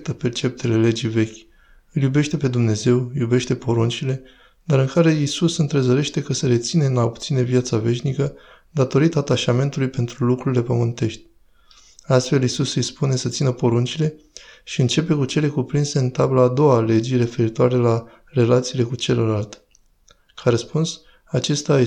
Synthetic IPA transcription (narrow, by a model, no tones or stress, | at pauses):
t̪əpe̞rt͡ʃe̞p̚t̪ele̞le̞d͡ʒijve̞kʲ | ɨljube̞ʃt̪e̞pe̞d̪umne̞ze̞wjube̞ʃt̪e̞po̞ɾunt͡ʃile̞ | d̪aɾɨŋkaɾe̞isusɨnt̪ɾe̞zəɾe̞ʃt̪e̞kəseɾe̞t̪sinenapt̪sine̞vijat̪save̞ʃnikə | d̪at̪o̞ɾit̪aːt̪aʃame̞nt̪ulujpe̞nt̪ɾulukɾuɾile̞pəmɨnt̪e̞ʃt̪ʲ | ast̪fe̞lisusispune̞sət̪sinəpo̞ɾunt͡ʃile̞ | ʃiɨnt͡ʃe̞pe̞kut͡ʃe̞le̞kupɾinse̞ɨnt̪ablaːd̪o̞wale̞d͡ʒire̞fe̞ɾit̪oaɾe̞la | re̞lat̪siːle̞kut͡ʃe̞ləlalt̪ | kʰaɾəspuns | at͡ʃe̞st̪a